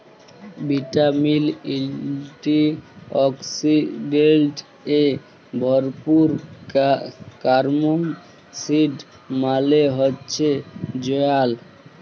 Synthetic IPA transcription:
biʈamililʈiɔksiɖelʈ | e | bʱɔɾpuɾ | kaɾmon | siɖ | maleɦotːɕʰed͡ʑɔjal

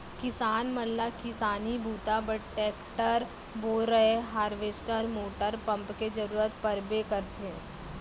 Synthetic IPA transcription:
kɪsaːnməlːakɪsaːnibʱuːt̪abəʈʈɛːkʈəɾ | boːɾəɦeɦaːɾʋeːsʈəɾmoːʈəɾpɐ̃mpked͡ʒɐɾuːɾət̪pɐɾbekɐɾt̪eɦɛ̃ː

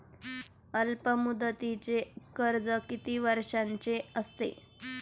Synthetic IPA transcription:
əlpəmud̪ət̪it͡ɕekəɾd͡zəkit̪iːʋəɾʂaɲt͡ɕeəst̪ḛ

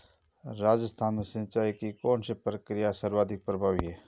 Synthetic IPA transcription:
ɾaːd͡ʒəst̪ʰaːnmesɪ̃nt͡ʃaːikikɔːnsepɾəkɾɪjasəɾwaːd̪ʱɪk̚pɾəbʱaːʋiɦɛː

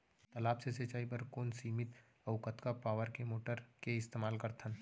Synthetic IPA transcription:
t̪ɐlaːpseset͡ʃaːibəɾkoːnsiːmɪt̪ | ɐʊkət̪kapaːʋəɾkemoːʈəɾkeɪst̪eːmaːlkəɾt̪ʰən

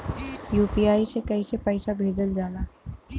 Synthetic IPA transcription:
jupiaiɕekəiɕepəjɕabʱed͡zəld͡zala

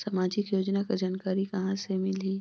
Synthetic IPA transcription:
sɐmaːd͡ʒɪkjoːd͡ʒnakad͡ʒaːnkaːɾikɐɦãsemɪliː

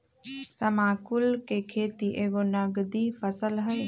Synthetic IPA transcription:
səmaːkʊlkekʰeːt̪iʔeːɡonəɡd̪ifʰəsəlɦə

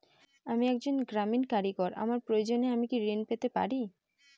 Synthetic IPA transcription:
amiɛk̚d͡ʑonɡɾaminkaɾikɔɾa̰maɾpɾoed͡ʑoneamikiɾenpet̪epa̰ɾi

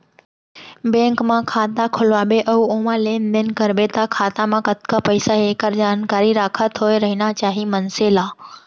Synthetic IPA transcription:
bɛ̃ːŋkmãkʰaːt̪akʰʊlʋaːbeʔɐoːmãlẽːnd̪ɪnkəɾbet̪akʰaːt̪amãkət̪kapəɪsaɦeːkəɾd͡ʑaːnkaːɾiɾaːkʰət̪ɦoːeɾɐɦinat͡ɕaːɦimɐnselaː

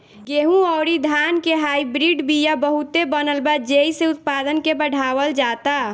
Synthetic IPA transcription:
ɡeɦũɔːɾid̪ʱankeɦaibɾiɖbʱijabəɦut̪ebənəlbad͡ʒeiseʊt̪̚pad̪ənkebəɽ̤ʱaːwəld͡ʒat̪a

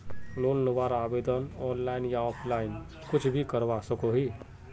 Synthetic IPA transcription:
loːnːəʋaːɾaːbeːd̪ənɔːnlaːɪnjaɔːpʰlaːɪn | kʊt͡ʃʰbʱikəɾʋasəkoɦiː

